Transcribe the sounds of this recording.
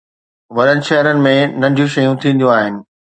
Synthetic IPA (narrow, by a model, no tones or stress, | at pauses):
ʋɐɾənɪ̆ʃɐɦəɾənɪ̆mẽnɐ̃nd̪ʱjũʃɐjũt̪ʰĩːn̆d̪jũaːɦɪnɪ̆